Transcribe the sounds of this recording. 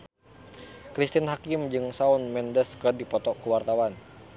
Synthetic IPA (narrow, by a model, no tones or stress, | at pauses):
kɾist̪inɦakimd͡ʒɨŋsaunmɛndɛskədipɔt̪ɔkuwart̪awan